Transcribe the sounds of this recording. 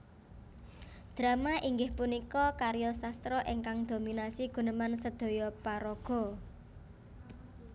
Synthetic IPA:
d̪̥ɾa̤maʔiŋɡɪhpunikɔkaɾjɔsast̪ɾɔʔeŋkaŋd̪̥ominasiɡ̥ṳnəmansəd̪̥o̤jɔpaɾɔɡ̥ɔ̤

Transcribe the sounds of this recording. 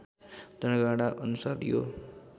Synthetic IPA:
d̪̥ʌnɡaɽ̃aʔʌnusaɾjo̰

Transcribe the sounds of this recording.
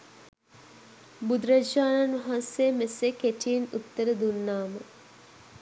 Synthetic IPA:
bud̪ɾɐd͡ʒaːnanʋɐɦãnsjemesekeʈiːnut̪ːəɾəd̪unːaːmə

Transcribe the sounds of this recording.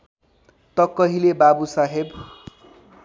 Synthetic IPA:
t̪ʌkːʌɦilebabusaɦeb

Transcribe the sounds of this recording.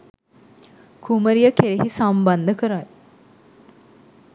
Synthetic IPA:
kuməɾijəkeɾeɦisamband̪əkəɾaj

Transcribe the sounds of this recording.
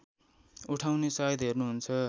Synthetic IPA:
uʈʰawnesajʌd̪ɦernuɦunt͡sʰʌ

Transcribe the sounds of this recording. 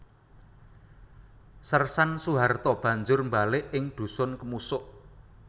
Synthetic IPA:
sərsansuɦart̪ɔb̥ä̤ɲd͡ʒʊrmbalɪʔɪŋɖ̪̥ṳsʊnkəmusʊʔ

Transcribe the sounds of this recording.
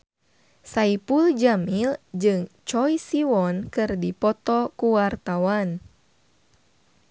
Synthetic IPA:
saipuld͡ʒamild͡ʒɨŋt͡ʃɔjsiwɔnkɨrdipɔt̪ɔkuwart̪awan

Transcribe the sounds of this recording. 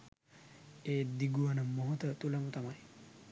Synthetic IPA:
eːd̪iɡuʋanəmoɦot̪ət̪ulamut̪amaj

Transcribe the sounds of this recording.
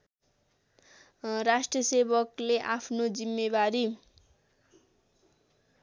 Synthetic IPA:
rasʈrʌsebʌkleʔapʰnod͡zimːebaɾi

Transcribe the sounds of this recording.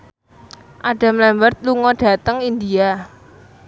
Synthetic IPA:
ʔaɖ̥a̤mlɛmbərt̪̚luŋɔɖ̥ä̤t̪əŋind̪ia

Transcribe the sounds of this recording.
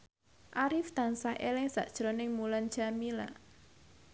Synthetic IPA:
ʔaɾɪft̪ansahʔelɪŋsa̰ʔd̥ʒ̥ɾɔnɪŋmulan̥ʒ̥amila

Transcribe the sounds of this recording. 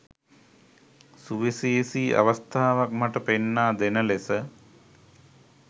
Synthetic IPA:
suʋisisiːʔa̰ʋɐst̪ʰaːʋak̚maʈəpenːaːd̪enəlesə

